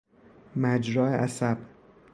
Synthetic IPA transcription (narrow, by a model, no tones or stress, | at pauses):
mæd͡ʒɾɒːeʔæsæb̥